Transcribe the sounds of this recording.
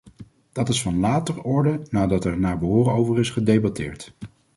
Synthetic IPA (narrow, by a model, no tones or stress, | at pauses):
d̥ɑtɪsfɑnlaːtərʊːɹdənaːdɑtɛɹnaːɹbəɦʊːrəowvərɪsχədejbɑtɪːɹt